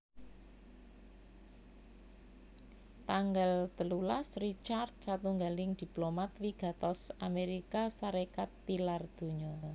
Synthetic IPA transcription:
t̪aŋɡalt̪əlulasrit͡ʃard̪̥̚sat̪uŋɡalɪŋd̪̥i̤plomat̪wiɡ̥a̤t̪ɔsameɾikasaɾekat̪ːilard̪̥ṳɲɔ

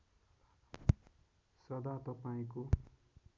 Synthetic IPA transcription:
sʌd̪at̪ʌpaĩko

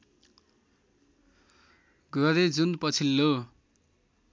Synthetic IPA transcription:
ɡrʌɾed͡zund̪pʌt͡sʰilːo

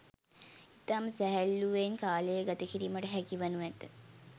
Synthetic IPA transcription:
it̪amsæɦælːuʋenkaːləjəɡat̪əkiɾiːməʈəɦækiʋanuʋɛt̪ə

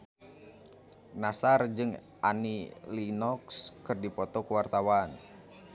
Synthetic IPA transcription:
nasard͡ʒɨŋ | ʔanilinɔkskɨrdipɔt̪ɔkuwart̪awan

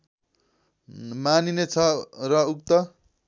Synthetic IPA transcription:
maninet͡sʰʌrʌuk̚t̪ʌ

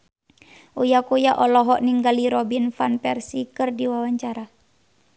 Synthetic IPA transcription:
ʔujakujaʔɔlɔɦɔʔniŋɡaliɾɔbinfanpɛrsikɨrdiwawaɲt͡ʃaɾa

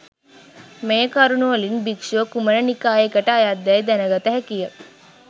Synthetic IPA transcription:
mejkaɾunuʋɐlinbikʂuʋəkumənənikaːjekəʈəajad̪ːɛjd̪ænəɡɐt̪əɦɛkijə

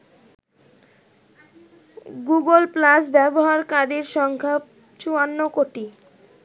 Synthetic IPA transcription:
ɡuɡolplasbɛboɦaɾkaɾiɾʃɔŋkʰa | t͡ɕuanːokoʈi

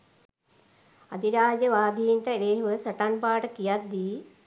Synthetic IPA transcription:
ɐd̪ʱiɾaːd͡ʒɐʋaːd̪ʱijinʈɐɾeːɦʋəsəʈanpaːʈəkijat̪d̪iː

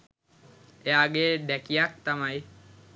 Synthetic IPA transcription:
ejaːɡeːd̪ækijak̚t̪amaj

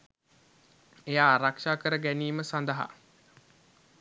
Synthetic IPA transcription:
ejaːɾakʂaːkəɾəɡæniːməsand̪əɦa̰

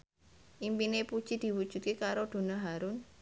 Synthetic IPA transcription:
ʔimpinepu̥ʒ̥id̪̥i̤wud̥ʒ̥ṳt̪̚kekaɾod̪̥o̤naɦaɾʊn

